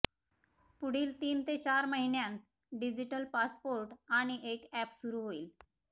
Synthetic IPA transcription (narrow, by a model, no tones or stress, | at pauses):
puɽ̤iːlt̪iːnt̪et͡ɕaɾməɦinjãnt̪ | ɖid͡ʑiʈəlpaspoɾʈaɽ̃iʔekæpsuɾuɦoiːl